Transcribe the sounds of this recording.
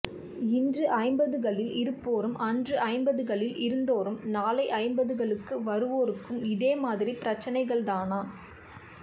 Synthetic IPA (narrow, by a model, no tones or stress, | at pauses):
ɪndrɯʔɐɪmbɐðɯɣɐɭɪlɪɾɯpːoːɾɯmʔɐndrɯʔɐɪmbɐðɯɣɐɭɪlɪɾɯnd̪oːɾɯmnaːlɐɪʔɐɪmbɐðɯɣɐɭɯkːɯʋɐɾɯʋoːɾɯkːɯmɪðeːmaːðɪripɪɾɐt͡ʃːɐnɐɪɣɐɭðaːnaː